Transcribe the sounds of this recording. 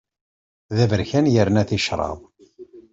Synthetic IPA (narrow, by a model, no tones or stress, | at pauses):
ðævəɾçænjəɾnæθiʃɾˤɑ̰ðˤ